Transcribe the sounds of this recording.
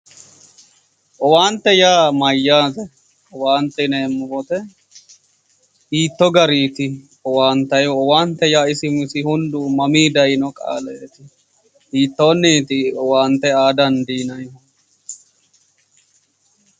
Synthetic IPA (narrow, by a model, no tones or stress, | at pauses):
ʔɔwaːnt̪ːɛjaːmɐjːaːt̪ɛ | ɔwaːnt̪ːɛneːmːʊwɔt̪ɛ | hiːt̪ːɔɡɐɾiːt̪ɪ | ɔwaːnt̪ːɐjɔɔwaːnt̪ːɛjaːɪsɪmɪsɪhʊnd̪ʊmɐmiːd̪ɐjnɔkʼa̰ːlɛːt̪ɪ | hiːt̪ːoːnːiːt̪ɪɔwaːnt̪ːɛaːd̪ɐnd̪iːnɐj